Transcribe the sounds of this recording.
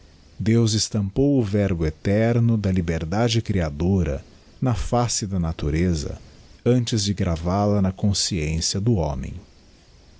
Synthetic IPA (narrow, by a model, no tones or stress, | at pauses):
d̪ewzɪst̪ɐ̃mpowʊvɛɾbʊet̪ɛɾnʊd̪ɐlibeɾd̪ad͡ʒɪkɾiad̪oɾɐ̰ | nɐfasɪd̪ɐnat̪uɾezɐ̰ | ɐ̃nt͡ʃɪzd͡ʒɪɡɾavalɐnɐkõsiẽsjɐd̪ʊõ̰mḛ̃j̃